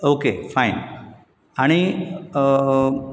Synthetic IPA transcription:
okefajn | aɽ̃i

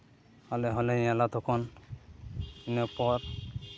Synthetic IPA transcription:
halɛɦɔleĩalat̪ʰɔkʰɔn | inɔpɔɾ

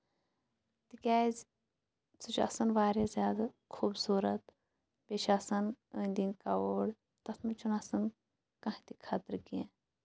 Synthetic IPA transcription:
t̪ikʲɛːzʲ | t͡sɨt͡ʃʰɐ̰sɐnʋaːɾjazʲjaːd̪ɐ | kʰuːbsuːɾɐt̪ | beʃɐsɐnə̃ːnʲd̪inkaoːɽ | t̪ɐsmɐt͡ʃʰunɐsɐn | kɐ̃ɦt̪ikʰɐt̪ɨɾkiẽ

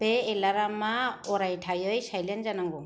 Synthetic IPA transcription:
pɛɛlaɾamaɔɾajtʰajɔjsajlɛnzanaŋɡɔ

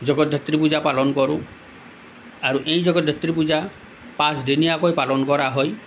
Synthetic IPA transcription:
d͡ʒɔɡɔd̪ʱet̪ɾipud͡ʒapalɔnɔkɔɾu | aɾuʔej̃d͡ʒɔɡɔd̪ʱet̪ɾipud͡ʒa | pasdinijakɔjpalɔnɔkɔɾaɦɔj

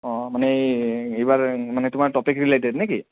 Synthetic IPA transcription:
ɔmaneibaɾmanet̪um̤aɾʈɔpikɾileʈ̬eɖneki

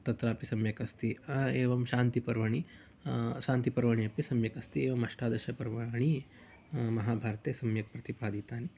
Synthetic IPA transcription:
t̪ɐt̪ɾaːpisɐmjɐkɐst̪ieːʋɐmʃaːnt̪ipɐɾʋɐɳi | ʃaːnt̪ipɐɾʋɐɳiɐpisɐmjɐkɐst̪ieːʋɐmɐʂʈaːd̪ɐʃɐpɐɾʋaɳi | mɐɦaːbʱaːɾɐt̪eːsɐmjɐk̚pɾɐt̪ipaːd̪it̪aːni

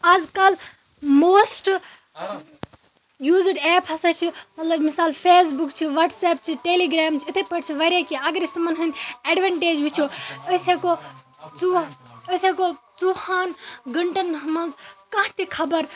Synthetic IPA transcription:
aːzkɐl | moːsʈ | juːziɖɛːpʰɦɐsɐt͡ʃʰimɐt̪lɐbmisaːlpʰeːs̬bukt͡ʃʰiʋɐʈsɛːp̚t͡ʃʰiʈeːliɡɾaːmt͡ʃʰiit̪ʰepɐʈt͡ʃʰiʋɐɾʲakiɐɡɐɾisimɐnɦɐ̃nd̪ʲɐɖʋɐɳʈeːd͡ʒʋit͡ʃʰoɐseko | uəsekot͡suhaːnɡɐɳʈɐnɦɐmɐnzkɐ̃ɦt̪ikʰɐbɐɾ

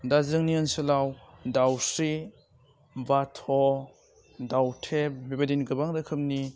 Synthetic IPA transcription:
dazɯŋniɯnsɯlawdawsɾi | batʰɔ | dawtʰep̚bebadinɡɯbaŋɾɯkʰɯm̚ni

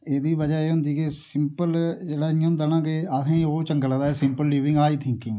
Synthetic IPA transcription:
eːd̪iːʋəd͡ʒaːeːɦʊ̃nd̪iːkesɪmpəld͡ʒeːɽaːõːd̪anãːkeat̪ʰẽːĩːoːt͡ʃəŋɡəld̪aːɛːsɪmpəlːiːʋɪ̃ŋɡaːiːt̪ʰɪ̃ŋkɪ̃ŋɡ

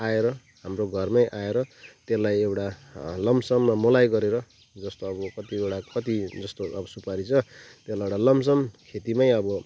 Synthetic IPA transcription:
aeɾʌ | ɦamroɡʱʌrmʌjʔaeɾʌt̪elajewʈalʌmsʌmːamʌlajɡʌɾeɾʌ | d͡zʌst̪oʌbʌkʌt̪iewʈakʌt̪id͡zʌst̪oʔʌbʌsupaɾit͡sʰʌt̪elaeʈalʌmsʌmkʰet̪imʌjʌbʌ

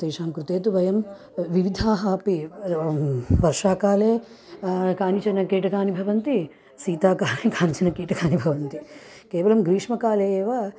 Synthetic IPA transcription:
t̪eːʂaːmkɾut̪eːt̪̬uʋɐjɐm | ʋiʋid̪ʱaːɦaːpi | ʋɐɾʂaːkaːleː | kaːnit͡ʃɐnɐkiːʈɐkaːnibʱɐʋɐnt̪i | siːt̪aːkaːleːkʰaːnit͡ʃɐnɐkiːʈɐkʰaːnibʱɐʋɐnt̪i | keːʋɐlɐmɡɾiːʂmɐkaːleːeːʋaː

